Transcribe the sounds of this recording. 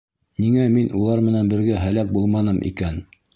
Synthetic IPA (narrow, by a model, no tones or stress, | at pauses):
niŋæminʔulˠɑɾmɘ̆nænbɘ̆ɾɡæɦælæk̚bulˠmɑnɤmʔḭkæn